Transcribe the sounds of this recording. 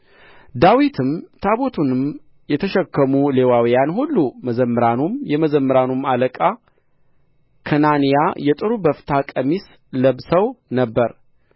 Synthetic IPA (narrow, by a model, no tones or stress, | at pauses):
d̪awit̪ʰɨmt̪ʰaβo̞t̪ʰunɨm | jɛt̪ʰəʃɛkːəmule̞wawijanhulːuməzəmːəɾanumjɛməzəmːəɾanumaləkʼa | kʰənanijajɛt̪ʼɨɾubəft̪ʰakʼəmis | ləβsəwnəbːəɾ